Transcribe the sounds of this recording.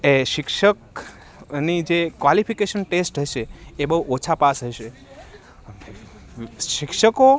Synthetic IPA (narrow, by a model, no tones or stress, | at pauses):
eʃɪkʃək | nid͡ʒekʋalifikeʃənʈesʈɦəjʃeːbəɦuʔot͡ʃʰapasɦəjʃe | əne | ʃɪkʃəko